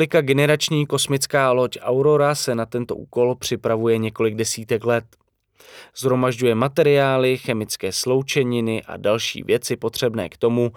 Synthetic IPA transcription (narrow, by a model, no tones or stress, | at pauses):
lɪkaɡɛnɛɾat͡ʃɲiːko̞smɪt͡skaːlo̞cʔawɾo̞ɾasɛnat̪ɛnt̪o̞̰ʔṵːko̞lpr̝̥ɪpɾavujɛɲɛko̞lɪɡ̚dɛsiːt̪ɛklɛt̪̚ | z̥ɦɾo̞maʒɟujɛmat̪ɛɾɪaːlɪxɛmɪt͡skɛːslo̞wt͡ʃɛɲɪnɪʔa̰dalʃḭːvjɛt͡sɪpo̞t̪r̝̥ɛbnɛ̰ːkt̪o̞mu